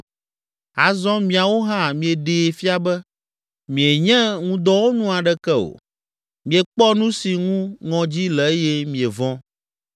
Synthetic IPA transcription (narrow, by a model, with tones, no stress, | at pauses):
a˨zɔ̃˦mĩ˨a˨wo˦ɦã˦˨mĩ˨e˨ɖe˨fi˦a˦bɛ˦ | mĩ˨e˨ɲɛ̃˦ŋũ˦d̪ɔ˦wo˦nũ˦a˨ɖɛ˦kɛ˦o̰˨ | mĩ˨e˨k͡pɔ˦nũ˦si˨ŋũ˦ŋɔ̃˨d͡ʑi˦lɛ˨e˦jɛ˦mĩ˨e˨vɔ̃˦